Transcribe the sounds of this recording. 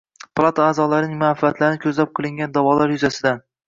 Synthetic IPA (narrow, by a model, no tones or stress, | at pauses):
plˠat̪ʰaːzɒlaɾɪnɪŋmafaat̪laɾɪnɪkʲʰɵzlap̚qʰɨlˠɪŋɡʲand̪avɒlaɾjʊzasɪd̪an